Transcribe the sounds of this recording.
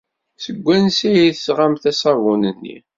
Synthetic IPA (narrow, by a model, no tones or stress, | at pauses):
səɡʷːænsijiθəsʁamθæsɑvʊnənːḭ